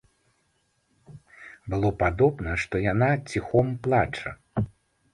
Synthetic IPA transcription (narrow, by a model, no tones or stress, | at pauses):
bɨlˠɔpad̪ɔbnɐʂt̪ɔjanat͡sʲixɔmplˠat͡ʂɐ̰